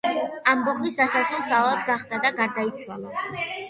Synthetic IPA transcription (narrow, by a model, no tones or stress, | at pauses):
ambɔχisd̪asasulˠsavlˠad̪ɡaχd̪ad̪aɡaɾd̪ait̪sʰwalˠa